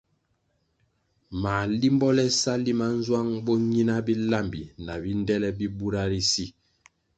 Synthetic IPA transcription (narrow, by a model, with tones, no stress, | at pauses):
maː˨li˦mbɔ˦lɛ˦sa˦li˦ma˦n̩˦zwa˦ŋbɔ˦ɲi˦na˦bi˦la˦˨mbḭ˨na˨bi˦ndɛ˦lɛ˦bi˦bu˦ɾa˦ɾi˦si˦